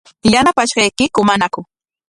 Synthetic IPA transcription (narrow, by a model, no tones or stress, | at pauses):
janapaʃɢɑjkɪkʊmanakʊ